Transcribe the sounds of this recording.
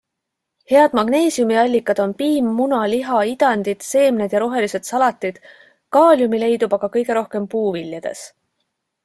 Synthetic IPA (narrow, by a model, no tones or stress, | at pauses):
he̞ɑd̪mɑɡ̥ne̞ːsiumiɑlʲːikːˑɑd̪̥o̞npiːmːunɑliɦɑid̪̥ɑnd̪̥id̪̥se̞ːmned̪̥jɑɾo̞ɦe̞lise̞d̪̥sɑlɑt̪ːˑid̪̥ | kɑːlʲjumile̞jd̪̥ubɑɡ̥ɑkɤjɡ̥e̞ɾo̞hke̞mpuːviljɑd̪̥e̞̰s